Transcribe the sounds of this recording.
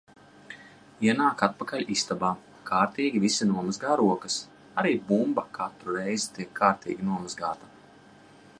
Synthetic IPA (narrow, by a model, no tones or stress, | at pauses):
iɛnaːkat̪̚pakaʎʲist̪abaː | kʰaːɾt̪iːɡʲivisinuɔmazɡaːɾuɔkɐs | aɾiːbumbakʰat̪ɾuɾɛjzit̪iɛkʰːaːɾt̪ḭːɡʲinuɔmazɡaːt̪ḁ